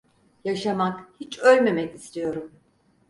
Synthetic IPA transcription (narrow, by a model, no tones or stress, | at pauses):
jaʃamakhit͡ʃølʲme̞mɛcist̪ʰijo̞ɾum